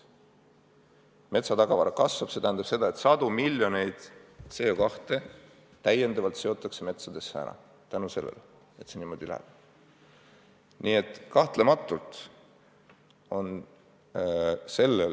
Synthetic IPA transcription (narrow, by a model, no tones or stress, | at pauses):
me̞t̪sɑt̪ɑɡ̥ɑvɑɾɑkɑsvɑb̥se̞t̪æhænd̪̥ɑb̥se̞d̪ɑe̞t̪sɑd̪̥umilʲjo̞ne̞jd̪̥seːokɑht̪e̞ | t̪æje̞nd̪̥ɑvɑlt̪se̞o̞t̪ːˑɑkse̞me̞t̪sɑd̪̥e̞sːæ̰nɑ̰ | t̪ænuse̞lːḛl | e̞t̪seniːmo̞d̪ilæ̰æ̰b̥̚ | nie̞t̪ːˑkɑht̪le̞mɑt̪ːˑult̪ | o̞n | se̞lːel